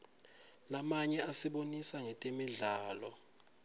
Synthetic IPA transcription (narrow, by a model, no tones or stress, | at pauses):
lamaɲɛasiɓonisaŋɛtʼemiɮaːlɔ